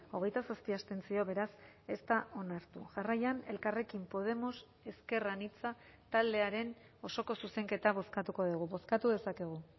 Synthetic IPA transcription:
o̞ɣe̞jt̪asast̪iast̪e̞nt͡sio̞βe̞ɾase̞st̪aʔo̞naɾt̪uʝarajane̞lkare̞kimpo̞ð̞e̞mo̞s | e̞ske̞ranit͡sat̪ald̪e̞aɾe̞n | o̞so̞ko̞suse̞ŋke̞t̪aβ̞o̞skat̪uko̞ðuɣ̞uβo̞skat̪uðe̞sake̞ɣ̞u

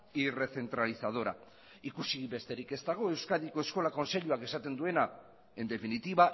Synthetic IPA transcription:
ire̞θe̞nt̪ɾalisað̞o̞ɾa̰ | ikusiβe̞st̪e̞ɾike̞st̪aɣ̞o̞e̞wskaðiko̞e̞sko̞lako̞nse̞ʎuake̞sat̪e̞nd̪ue̞na | e̞nd̪e̞finit̪iβa

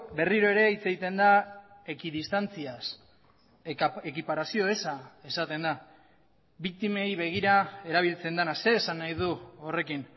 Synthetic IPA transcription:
be̞riɾo̞e̞ɾe̞it͡se̞ɣit̪e̞nd̪ae̞kiðist̪ant͡sias | ekipaɾasio̞esae̞sat̪e̞nd̪a | bik̚t̪ime̞jβe̞ɣ̞iɾae̞ɾaβ̞ilt͡se̞nd̪anase̞ːsanːajð̞uore̞kin

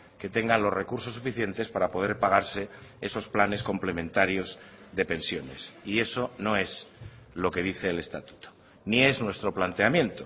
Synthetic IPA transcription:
ke̞t̪e̞ŋɡalo̞zre̞kuɾso̞sːufiθje̞nt̪e̞spaɾapo̞ð̞e̞ɾpaɣ̞aɾse̞e̞so̞splane̞sko̞mple̞mẽ̞nt̪aɾjo̞z | ðe̞pe̞nsjone̞sie̞so̞no̞e̞z | lo̞ke̞ð̞iθe̞ːle̞st̪at̪u̥t̪o̥ | nie̞znwe̞st̪ɾo̞plant̪eamjẽ̞nt̪o

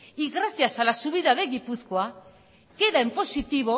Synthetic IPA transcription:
iɣɾaθjasalasuβiðaðeɣipuθkwa | ke̞ðaempo̞sit̪iβ̞o

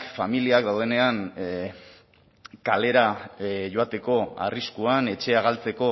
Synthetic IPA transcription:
familiakd̪awð̞e̞ne̞an | kale̞ɾaʝo̞at̪e̞ko̞a̰riskuane̞t͡ʃe̞aɣ̞alt͡se̞ko̞

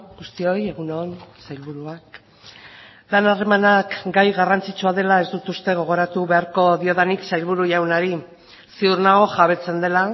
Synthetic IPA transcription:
ɡust̪io̞je̞ɣ̞unonsajlβuɾuak | lanare̞manakɡajɣarant͡sit͡suaðe̞lae̞zd̪ut̪ust̪e̞ɣ̞o̞ɣ̞o̞ɾat̪uβe̞aɾko̞ðio̞ðaniksajlβuɾuʝawnaɾi | siuɾnaɣo̞ʝaβ̞e̞t͡se̞nd̪e̞la

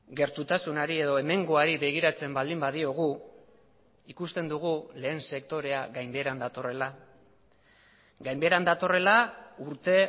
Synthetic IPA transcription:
ɡe̞ɾt̪ut̪asunaɾie̞ðo̞e̞me̞ŋɡo̞aɾiβe̞ɣ̞iɾat͡se̞mbald̪imbaðio̞ɣ̞u | ikust̪e̞nd̪uɣ̞ule̞ːnse̞kt̪o̞ɾe̞aɣajmbe̞ɾand̪at̪o̞re̞la | ɡajmbe̞ɾand̪at̪o̞re̞lauɾt̪e̞

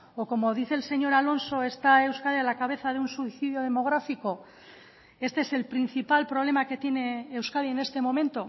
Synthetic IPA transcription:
oko̞mo̞ð̞iθe̞ːlse̞ɲo̞ɾalo̞nso̞e̞st̪ae̞wskaðialakaβ̞e̞θaðeunsuiθiðjo̞ð̞e̞mo̞ɣ̞ɾafiko̞ | e̞st̪eese̞lpɾin̟θipalpɾo̞β̞le̞make̞t̪je̞ne̞ːwskaðie̞ne̞st̪e̞mo̞mẽ̞nt̪o̞

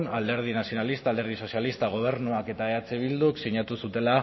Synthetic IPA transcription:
nald̪e̞ɾð̞inasio̞nalist̪ald̪eɾð̞iso̞sialist̪aɣ̞o̞β̞e̞ɾnuake̞t̪aeat͡seβ̞ild̪uksiɲat̪usut̪e̞la

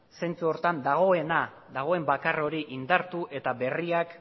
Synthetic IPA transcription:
se̞nt͡suo̞ɾt̪and̪aɣ̞o̞e̞na | ðaɣ̞o̞e̞mbakaro̞ɾiʔind̪aɾt̪uʔe̞t̪aβe̞riak

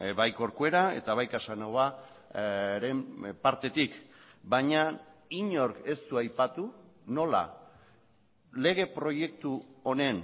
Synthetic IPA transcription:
bajko̞ɾkue̞ɾae̞̰t̪aβajkasanaɣa | ɾe̞mpaɾt̪e̞t̪ikbaɲaiɲo̞ɾke̞st̪uajpat̪uno̞la̰ | le̞ɣ̞e̞pɾo̞je̞kt̪uo̞ne̞n

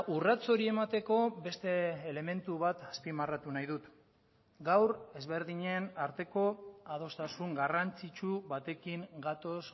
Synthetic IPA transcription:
urat͡so̞ɾie̞mat̪e̞ko̞be̞st̪e̞ːle̞me̞nt̪uβat̪aspimarat̪unajðut̪ | ɡawɾe̞zβe̞ɾðiɲe̞naɾt̪e̞ko̞aðo̞st̪asuŋɡarant͡sit͡ʃuβat̪e̞kiŋɡat̪o̞s

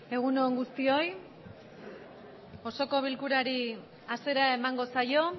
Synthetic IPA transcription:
e̞ɣ̞unoːŋɡust̪io̞j | o̞so̞ko̞β̞ilkuɾaɾi | ase̞ɾae̞maŋɡo̞sajo̞

